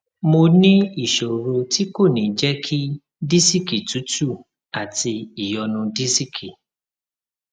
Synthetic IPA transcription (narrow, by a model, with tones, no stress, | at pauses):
mo˧nĩ˦i˦˨ʃo˨ɾo˧ti˦ko˦˨nĩ˨˦d͡ʒɛ˦kʰi˦ | di˦si˦ki˨tu˨˦tu˦˨ | a˨ti˧i˨jɔ˧nũ˧di˦si˦kʰi˨